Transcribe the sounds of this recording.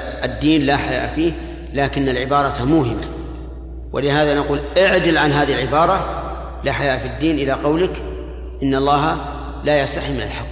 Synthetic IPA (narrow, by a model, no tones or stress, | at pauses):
ʔad̪ːiːnlaħaja̰ːʔfiː | laːkɪnːalʕɪbɑːɾˤɑt̪mʊɦɪmːa | wʔɪ̰lɪɦaːðanaquːlʔɪʕd͡ʒɪlʕanɦaːðiɪlʕɪbɑːɾˤɑ | laħajaːʔfid̪ːiːnʔɪlaqɑwlɪk | ʔɪnːɑlˤːɑːɦa | laːjast̪aħɪmːɪnalħakː